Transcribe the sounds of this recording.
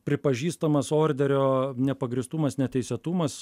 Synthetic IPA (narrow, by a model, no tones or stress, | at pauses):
pʲɾʲɪpɐʒʲiːst̪ɐmɐsoːɾʲd̪ʲɛɾʲoːnʲɛpɐɡɾʲɪst̪umɐsnʲɛt̪ʲɛɪsʲɛt̪umɐs